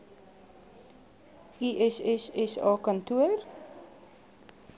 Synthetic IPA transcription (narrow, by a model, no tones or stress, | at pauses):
ʔiʔɛsɛsɛsɑːkɐntuər